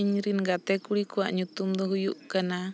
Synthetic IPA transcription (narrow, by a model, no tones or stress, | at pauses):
iɲɾinɡat̪ɛkuɽikuaʔɲut̪umd̪ɔɦujuʔkana